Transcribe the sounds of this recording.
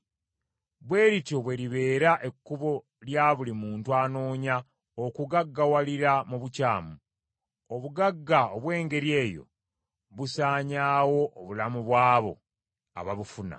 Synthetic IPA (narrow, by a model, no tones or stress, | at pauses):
βwe̞ːɾito̞βwe̞ɾiβe̞ːɾaʔe̞kːuβo̞ | ljaβulimuːntuano̞ːɲa | okuɡaɡːawaliɾamuβucaːmu | oβuɡaɡːaoβwe̞ːŋɡe̞ɾje̞ːjo̞̰ | βusaːɲaːwo̞ʔːβulamuβwaːβo̞̰ | a̰βaβufuna̰